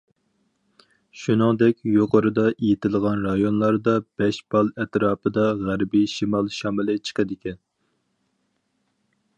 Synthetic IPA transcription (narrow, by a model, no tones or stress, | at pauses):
ʃunɨŋd̪ɛkʲjoqʰəɾɨd̪ɑʔejit̪ʰɪlˠʁɑnɾɑjonlˠɑɾd̪ɑb̥ɛʃb̥ɑlˠɛt̪ɾɑːpʰɨd̪ɑʁæɾbiʃimɑlˠʃɑmɨlɨt͡ʃʰə̥qəd̪ɪkʲʰɛn